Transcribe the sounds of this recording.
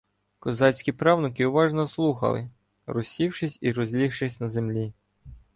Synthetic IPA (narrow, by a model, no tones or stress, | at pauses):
kɔzɑsʲkʲipɾɑwnɪkɪʊʋɑʒnɔslˠuxɐ̰lˠɪ̰ | rɔsʲiwʃɪsʲiɾɔzʲlʲixʃɪsʲnɐze̞mlʲi